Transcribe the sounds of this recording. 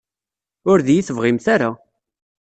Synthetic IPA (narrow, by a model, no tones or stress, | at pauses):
ʊɾðjiθəvʁɪmθaɾa